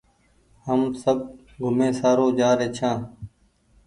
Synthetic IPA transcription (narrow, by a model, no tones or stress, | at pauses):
həmsəb̚ | ɡʱʊmẽːsaːɾoːd͡ʒaːɾeːt͡ʃʰãː